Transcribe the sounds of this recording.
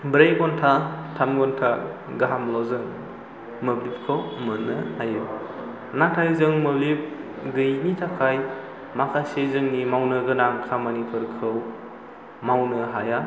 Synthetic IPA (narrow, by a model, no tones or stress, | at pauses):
bɾajɡɔntʰatʰamɡɔntʰa | ɡaɦamlɔwzɯŋ | mɯblip̚kʰɯwmɯnɯajɯ | natʰajzɯŋmɯblip̚ | ɡɯjnitʰakʰaj | makʰasezɯŋnimawnɯɡɯnaŋkʰamanipʰuɾkʰɯw | mawnɯɦaja